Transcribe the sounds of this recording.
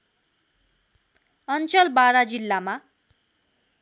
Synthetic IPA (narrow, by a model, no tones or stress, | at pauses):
ʌnt͡sʌlbaɾad͡zilːama